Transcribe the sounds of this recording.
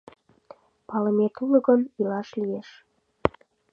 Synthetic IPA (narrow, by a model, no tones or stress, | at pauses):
pɑləmet̪ulə̆ɣənilɑʃlijeʃ